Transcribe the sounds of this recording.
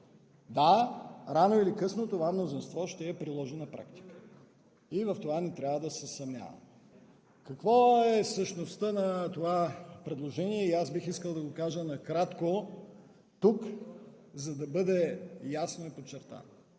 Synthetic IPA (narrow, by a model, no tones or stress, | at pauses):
d̪aɾanoilikɤsnot̪ovamnozinst̪vɔʃt̪ɛːpɾilˠɔʒɛnɐpɾa̰kt̪i̥kə̥ | ivɐft̪ovanɛt̪ɾʲavəd̪ɐsɛsɐmnʲa̰və̰m | kɐkvɔɛsəʃnost̪ənɐt̪ovapɾɛd̪lˠoʒɛniɛiasbixiskəlˠd̪ɐɡokaʒənɐkɾat̪ko | t̪uk | zɐd̪ɐbɤd̪ɛjasnoipot͡ʃːɛɾt̪a̰no